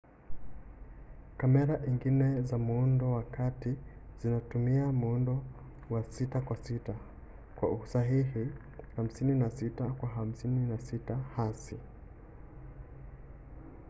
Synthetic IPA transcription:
kamɛɾaʔiŋɡinɛzamuundɔwakatiz̥inatumiamuundɔ | wasitakwasita | kwa̰usaɦihi | ham̩sininasitakwaɦam̩sininasitahasi

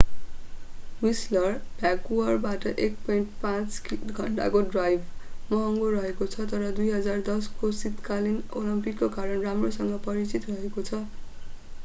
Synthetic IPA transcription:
wislʌrb̥ʱjakuʌrbaʈʌʔekpʌiɳʈpãt͡skiɡʱʌɳʈa̰koɖrajbʱmʌɦʌŋɡorʌɦekot͡sʰʌt̪ʌɾʌd̪ujɦʌd͡zard̪ʌskosit̪kalinolimpikːokaɾʌnramrosʌŋɡʌpʌɾit͡sit̪rʌɦekot͡sʰʌ

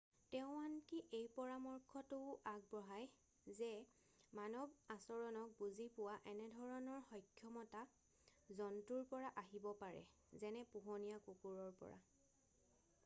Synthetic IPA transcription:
tɛʊ̃ankiʔejpɔɹamɔɹkʰɔtʊaɡ̚bɹɔɦaj | zɛ | manɔbasɔɹɔnɔk̚buzipʊwaʔɛnɛdʱɔɹɔnɔɹxɔjkʰjɔmɔta | zɔntuɹpɔɹaʔaɦibɔpaɹɛ̰ | zɛnɛpuɦɔnijakukuɹɔɹpɔ̰ɹa̰

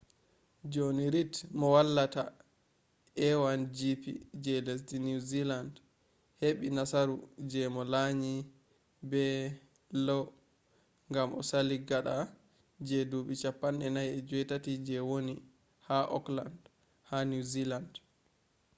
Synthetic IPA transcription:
d͡ʒoniɾitmɔwalːata | ɛwand͡ʒipḭd͡ʒɛlɛs̬dinuziland | heɓinasaɾud͡ʒɛmɔlaɲi | bɛ | lɔ | ŋɡamʔɔ̰saliɡaɗa | d͡ʒɛduɓit͡ʃapːanɛnajɛd͡ʒɔjtatid͡ʒɛwoni | haʔɔ̰kla̰nd | hanuziland

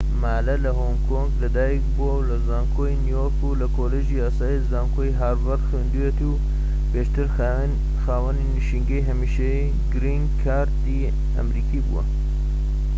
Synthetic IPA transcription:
maːlɐlɐɦoŋkʰoŋɡlɐd̪aːjikbuwɐwlɐzaːŋkʰoinijoɾkulɐkoːleʒiːaːsaːizaːŋkʰojɦaːɾvɐɾxend̪uwet̪u | peʃt̪ɨɾ | xaːwɐniniʃiŋɡɐjɦɐmiːʃe | ɡɾiŋɡkʰaːɾt̪i | ɐ̰mɾiːkiːbṵwɐ̰

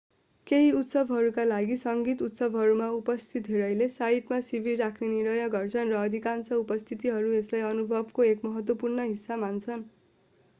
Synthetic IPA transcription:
keɦiut̪sʌbʱɦʌɾukalaɡisʌŋɡit̪ut̪sʌbʱɦʌɾumaupʌst̪ʰit̪ɦeɾʌjlesaiʈmasibʱirakʰneniɾʌjʌɡʌrt͡sʰʌnrʌːd̪ʱikansʌupʌst̪ʰit̪iɦʌɾueslajʌnubʱʌbkoekmʌɦʌt̪wʌpurnʌɦisːamant͡sʰʌn

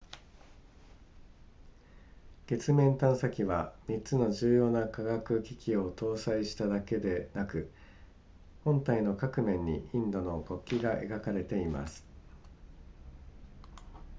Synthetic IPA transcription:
ɡ̥e̞t͡sɨmẽ̞nt̪ãɰ̃sakʲiβamʲitt͡sɨno̞ʑɨːjo̞ːnakaɡakɯ̟kʲikʲio̞t̪o̞ːsaiɕi̥t̪ad̪ake̞d̪e̞nakɯ̟ | hõ̞nt̪aino̞kakɯ̟mẽ̞ɲ̟ːiĩnd̪o̞no̞ko̞kʲːiɡaʔe̞̰ɡakaɾe̞t̪e̞ima̰sɨ̥

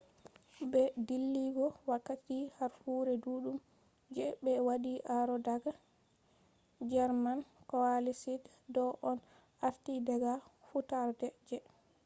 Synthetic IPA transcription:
bɛdilːiɡɔwakːatihaɾfuɾɛduɗum | d͡ʒɛɓɛwaɗiʔaɾɔdaɡa | d͡ʒɛɾmankɔwalisid | dɔʔɔn | aftidɛɡafutaɾdɛd͡ʒɛ

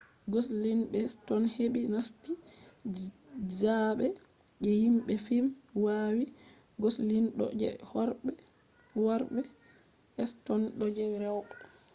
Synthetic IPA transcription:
ɡɔslinɓɛstɔnheɓinasti | d͡ʒaɓɛ | ʔɛhimɓɛfimwawi | ɡɔslinɗɔ̰d͡ʒɛ̰hɔɾɓɛ | waɾɓɛ | ɛstɔnɗɔd͡ʒɛɾɛwɓɛ

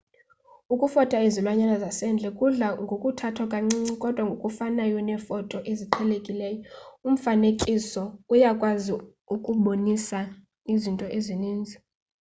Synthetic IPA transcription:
ukʼufɔtʼaizilwaɲanazasɛnd͡ɮʱɛkʼuɮaŋɡʱokʼutʰatʰwakʼaŋ͡ǀiɲikʼɔd̥ʱwaŋɡʱokʼufanajɔnɛfɔtʼɔʔeziǃʰɛlekʼilɛːjɔum̩fanekʼisɔujakʼwazi | ukʼuɓonisa | izintʼɔʔeziniːnd͡zʱi

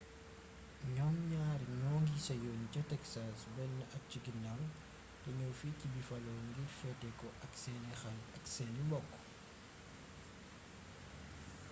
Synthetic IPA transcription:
ɲɔmɲaːɾɲɔːŋɡisɐjɔːncɐtɛksasbɛnːʔɐk̚ciɡinɐl | tɐɲɔwficːibifɐlɔːŋɡiɾfɛtːɛkɔʔɐksɛnɛxɐnɐksɛːnimbɔkː

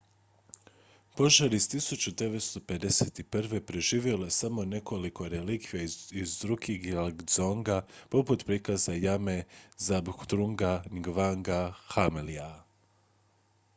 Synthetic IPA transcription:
po̞ʒaɾist̪isut͡ɕud̪e̞ʋe̞t̪st̪o̞pe̞d̪e̞set̪iprʋe̞pɾeʒiːʋjelesamo̞ne̞ko̞liko̞ɾelikʋijaizd̪ɾuɡixlɡ̪zoŋɡapo̞put̪pɾikazajame̞zabxt̪ɾuŋɡaniɡʋaŋɡaxamelia

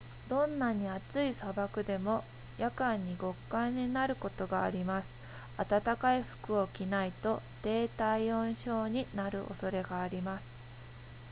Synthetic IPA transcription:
d̪õ̞nːaɲ̟iat͡sɨisabakɯ̟d̪e̞mo̞ | jakãɲ̟ːiɡo̞kːãɲ̟ːinaɾɯ̟ko̞t̪o̞ɡaːɾʲimasɨ̥ | at̪at̪akaiɸɯ̥kɯ̟o̞kʲinait̪o̞t̪e̞ːt̪aiõ̞ɰ̃ɕo̞ːɲ̟inaɾɯ̟ʔo̞̰so̞ɾe̞ɡaːɾʲimasɨ̥

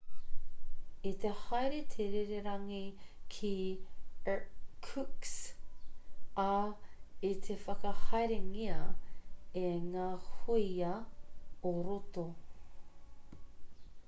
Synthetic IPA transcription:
it̪ʰehɐjɾet̪ʰeɾeɾeɾɐŋikʰi | kʰuks | ɐ | it̪ʰefɐkɐhɐjɾeŋiɐ | eŋaːhuiɐ | oɾoto

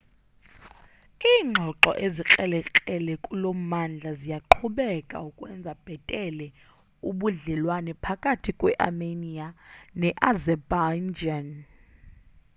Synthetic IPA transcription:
iːŋ͡ǃʱɔǁɔʔezikʼɛlɛkʼɛlɛkʼulom̩mand͡ɮʱazijaǃʰuɓɛkʼa̰ukʼwɛnd͡zʱab̥ʱɛtʼɛlɛ | uɓuɮɛlwanɛpʰakʼatʰikʼwɛʔa̰menianɛʔazɛband͡ʒan

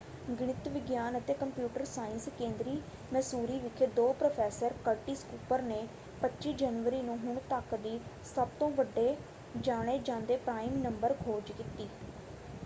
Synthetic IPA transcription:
ɡɽ̃ɪt̪ʋɪɡjaːnət̪eːkəmpjuːʈəɾsaːɪnskẽːnd̪ɾiː | mɛ̃ːsuːɾiːʋɪkʰeːd̪oːpɾoːpʰɛːsəɾkəɾʈiːskuːpəɾneː | pətːʃiːd͡ʒənʋəɾiːnũːɦʊɳt̪əkd̪iː | səbt̪õːʋəɖːeː | d͡ʒaːɽ̃eːd͡ʒãːnd̪eːpɾaːɪmnəmbəɾkʰoːd͡ʒkit̪iː

